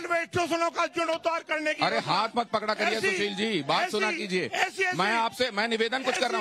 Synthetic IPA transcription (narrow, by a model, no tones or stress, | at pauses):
lʋeːʃʈosʊnõkad͡ʒʊnʊt̪aːɾkɐɾnekiɐɾeɦaːt̪ʰmɐt̪̚pɐkɽakɐɾiaʊʃiːld͡ʒiːbaːt̪ːsʊnakiːd͡ʒieːɛːsmɛ̃aːpsemɛ̃ːnɪʋeːd̪ənkʊt͡ʃʰkɐɾna